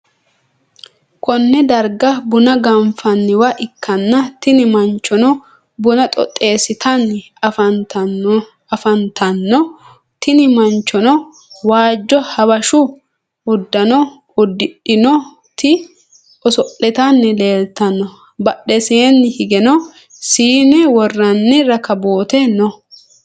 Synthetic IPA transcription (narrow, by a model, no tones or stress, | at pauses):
kɔnːɛd̪ɐɾɡɐbʊnɐɡɐɱfɐnːɪwɐʔɪkːɐnːɐt̪ɪnɪmɐnt͡ʃːɔnɔ | bʊnɐt̪ʼɔ̰t̪ʼːe̞ːsɪt̪ʰɐnː | fɐ | ɐfɐnt̪ɐnːɔ | t̪ɪnɪmɐnt͡ʃːɔnɔ | waːd͡ʒːɔhɐbɐʃʊ | ʊd̪ːɐnɔ | ʊd̪ːɪᶑɪnɔ | t̪ɪ | ʔɔsɔʔːɛt̪anːɛle̞ːlt̪ɐnːɔ | bɐɗɛseːnːɪhɪɡɛnɔ | siːnɛwɔrːɐnːɪɾɐkɐboːt̪ɛnɔ